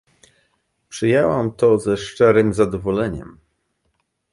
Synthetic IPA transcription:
pʂɘjɛwamt̪ɔzɛʂt͡ʂɛɾɘmzad̪ɔvɔlɛɲɛ̰m

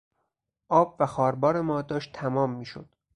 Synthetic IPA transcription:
ʔɒːbvæxɒːɾbɒːɾe̞mɒːd̪ɒːʃt̪ʰæmɒːmːiːʃo̰d̪̥

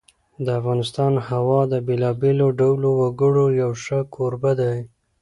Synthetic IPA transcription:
d̪əafɣɑnɪst̪ɑnhawɑd̪əbelɑbeloɖawlowaɡəɽojawʂəkʰoɾbad̪aj

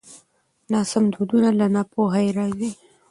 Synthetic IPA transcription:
nɑsamd̪od̪unalanapoɦajeɾɑzi

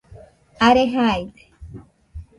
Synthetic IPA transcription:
aɾeɦajd̪e̥

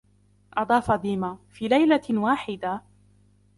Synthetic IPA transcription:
ʔɑd̪ˤɑːfɑd̪iːmafiːlajlawaːħɪd̪a

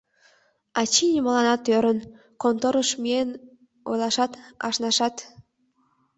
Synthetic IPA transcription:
ɑt͡ɕinʲiməlɑnɑt̪øɾən | kont̪oɾəʃmien | o̰jlɑʃɑt̪ɑ̰ʃnɑʃɑt̪

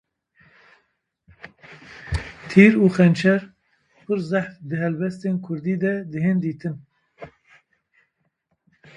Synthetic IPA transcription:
t̪ʰiːɾuːxɛnt͡ʃʰɛɾ | pʰɨɾzæħfd̪ɨɦɛlbɛst̪eːnkʰʊɾd̪iːd̪ɛd̪ɨɦeːnd̪iːt̪ʰɨn

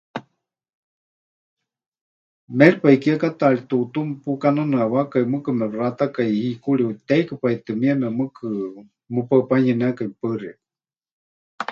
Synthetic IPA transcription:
meɺipaikiakat̪aɺit̪ut̪umpukananɨawakaimɨkɨmɛrat̪akaiikuɺiut̪ejkɨpait̪ɨmiamɛmɨkʰɨ | mɨpapaɲənɛakaipəria

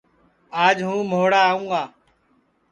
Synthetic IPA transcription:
aːd͡ʒɦũːmoːɽaːɦũːɡaː

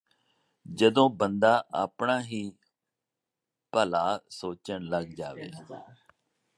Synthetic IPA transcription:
d͡ʒəd̪õːbənd̪aːʔaːpɳaːɦiː | pəlaːsoːt͡ʃəɳləɡd͡ʒaːʋḛː

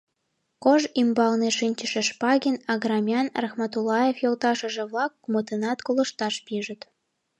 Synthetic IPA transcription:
koʒimbɑlneʃinʲt͡ɕəʃə̆ʃpɑɣʲinɑɣrɑmʲjɑnrɑxmɑt̪ulːɑjefjolt̪ɑʃə̆ʒĕβlɑkːmot̪enɑt̪kolə̆ʃt̪ɑʃpiʒə̆t̪

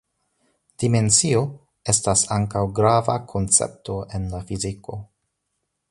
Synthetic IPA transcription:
d̥ime̞nt͡sio̞ | e̞stasaŋkawɡɾavakʰo̞nt͡sḛp̚to̞ʔe̞nlafiziko̞

